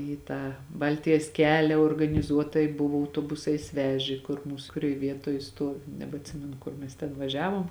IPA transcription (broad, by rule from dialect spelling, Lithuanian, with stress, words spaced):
iː ˈtɑː ˈbɐlʲtʲɪjɛs ˈkʲæːlʲɛ oːrɡɐnʲɪˈzuɔtɐɪ ˈbʊʋoː ɐʊtoːˈbʊsɐɪs ˈʋʲæːʒʲeː kʊr ˈmuːs kʊˈrʲoːj ˈʋʲiɛtoːj ˈstuɔʋʲɪ nʲɛbʲɛɐtʲˈsʲɪmʲɛnʊ ˈkʊr mʲɛs tʲɛn ʋɐˈʒʲæːʋoːm